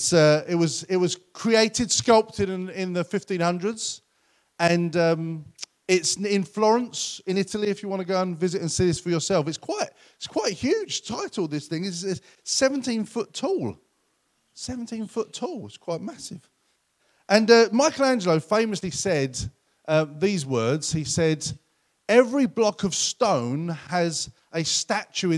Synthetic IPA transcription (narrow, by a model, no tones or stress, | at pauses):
tsʌɪt̚wʌzɪt̚wʌz̥kʰɹ̥ieɪtɪd̥skʌlˠp̚tɨ̃nɪ̃nðəfɪftĩnhʌ̃ndɹədz̥ | ɨ̃nʌ̃m | ɪtsɪ̃nflɔɹə̃nsɪ̃nɪtl̩ˠiɨfjəwɑ̃ñəɡoʊə̃nvɪzɨɾɨ̃nsiðɪsfə˞jəsɛlˠfɨtskʰw̥aɪt̚ | ɪtskʰw̥aɪt̚hjʉd̥ʒ̥tʰaɪtl̩ˠðɪsθɪ̃ŋɪsɪtsɛvə̃n̩tĩnfʊtʰɔlˠ | sɛvn̩tʰĩnfʊtʰɔlˠɪtskʰw̥aɪt̚masɪv̥ | ʔə̃nʌmaɪkəl̩ˠæ̃nd͡ʒələʊfẽɪ̃mɨslisɛd | ʔʌðizwɜ˞dz̥hisɛd | ɛvɹiblɒkəv̥stə̃ʊ̃nəz | əstat͡ʃʉɪ̃